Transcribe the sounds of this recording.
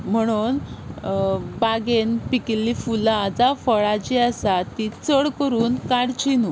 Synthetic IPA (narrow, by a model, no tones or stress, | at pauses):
m̤əɽ̃uːn | baɡenpikilifulaːd͡zafəɭat͡ɕiəsat̪it͡səɽkəɾuːnkaɽt͡ɕinu